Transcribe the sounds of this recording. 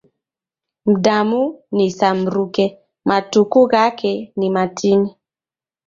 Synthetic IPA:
m̩damunisam̩ɾukɛ | matukuɣakʰɛnimatʰini

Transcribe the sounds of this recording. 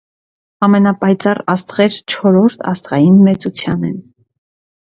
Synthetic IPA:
ɑmɛnɑpɑjt͡sɑrɑst̪ʁɛɾt͡ʃʰɔɾɔɾt̪ʰɑ̰st̪ʁɑjinmɛt͡sut͡sʰjɑnɛn

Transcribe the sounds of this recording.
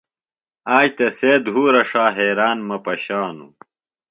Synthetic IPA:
aːd͡ʑt̪ɐseːd̪ɦuːɾɐʂaːɦeːɾaːnmɐpɐɕaːnṵ

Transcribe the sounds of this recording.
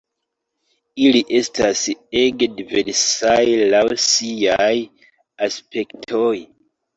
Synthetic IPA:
iliʔe̞staseɡdiveɾsajlawsiaj | aspʰe̞ktʰoj

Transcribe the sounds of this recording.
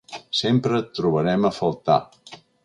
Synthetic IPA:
sempɾətt̪ːɾuβ̞əɾɛməfəlˠt̪a̰

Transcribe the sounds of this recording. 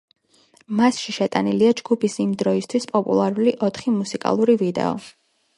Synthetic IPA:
masʃiʃɛt̪ʼaniliad͡ʒɡ̥upʰisimd̪ɾɔist̪ʰwispʼɔpʼṵlˠaɾuliʔɔt̪ʰχimusikʼa̰lˠuɾivid̪ɛ̰ɔ̰

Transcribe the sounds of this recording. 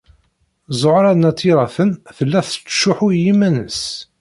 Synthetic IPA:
zˤʕɾˤɑnæt̪ʰːiɾˤɑθənθəlːæθə̥t͡sːʃʊħʊɾjimænə̰s

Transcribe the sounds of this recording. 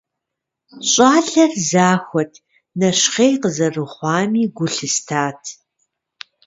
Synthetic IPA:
ɕʼɑːɬɐrzaːxʷɔtʰ | nɐʃχeːjqəzɐrɨχʷɑːmiːɡʷʊɬɨstʰaːtʰ

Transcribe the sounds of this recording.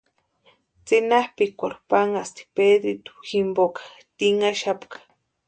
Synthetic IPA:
t͡sinahpikʷaɾpaŋast̪i̥ped̪ɾit̪u̥ximbokḁ | t̪iŋaʃapkḁ

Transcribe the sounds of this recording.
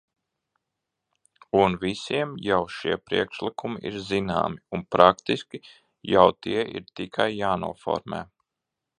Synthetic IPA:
unvisiɛmjawʃiɛpɾiɛkʃlˠikumiʔḭɾzina̰ːmiunpɾakt̪iskʲi | jawt̪iɛʔḭɾt̪ikʰajːaːnṵɔfɔ̰ɾmḛː

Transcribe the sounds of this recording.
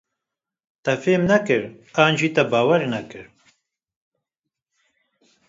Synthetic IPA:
t̪ɛfeːmnɛkɨɾaːnʒiːt̪ɛbaːwɛɾnɛkɨɾ

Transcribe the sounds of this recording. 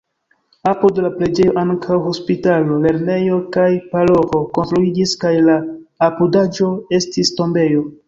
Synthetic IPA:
apodlapɾe̞d͡ʒe̞jo̞ʔaŋkʰawɦo̞spitalo̞le̞ɾne̞jo̞kajpalo̞vo̞ko̞nstɾuid͡ʒiskajlaːpudad͡ʒo̞e̞stisto̞mbe̞jo̞

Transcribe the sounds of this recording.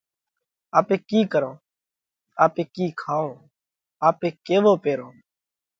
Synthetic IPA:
aːpeːkiːkəɾõː | aːpeːkiːkʰaːõː | aːpeːkeːʋoːpeːɾoː

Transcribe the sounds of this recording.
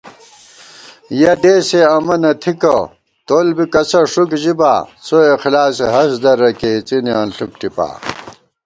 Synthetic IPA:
jɐd̪eːseɐmɐnɐt̪ʰikɐ | t̪olbikɐsɐʂukʑiba̰ːt͡soexlaːseɦɐsd̪ɐɾɐket͡siniaːnɬuk̚ʈipa̰ː

